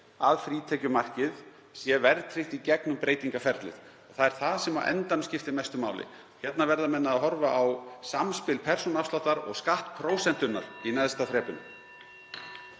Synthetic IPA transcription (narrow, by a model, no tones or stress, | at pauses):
aðfɾiːt̪ʰɛcʏmar̥cɪð | sjɛvɛɾt̪ʰɾɪht̪icɛknʏmpɾeːjt̪iŋkafɛɾt̪lɪ̰ð | ɔɣθaðɛɾ̥θaðsɛmawʔɛ̰nt̪amscɪft̪ɪmɛjst̪ʏmaːwlʔɪ̰ | çɛt̪navɛɾðamɛnːaːðɦɔɾvaʔawsamspɪlpʰɛr̥sɔnafslɔht̪aɾɔ̰ɣskaht̪pʰɾoːwsɛn̥t̪ʏnːa̰ɾ̥inɛðst̪aθɾɛːpʏnʏ̰m